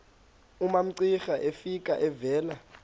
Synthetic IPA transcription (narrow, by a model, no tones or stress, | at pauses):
umam̩ǀixaʔefik̬ʼa̰ʔɛvɛːla